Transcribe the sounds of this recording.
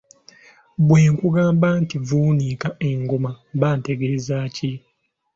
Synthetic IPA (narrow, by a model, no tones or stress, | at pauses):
bweːŋkuɡaːmbantivuːnikaeŋɡomaβaːnteɡezaːci